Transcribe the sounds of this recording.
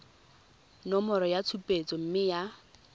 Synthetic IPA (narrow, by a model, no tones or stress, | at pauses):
nɔmɔɾɔjat͡sʰupʼet͡sɔm̩mɪja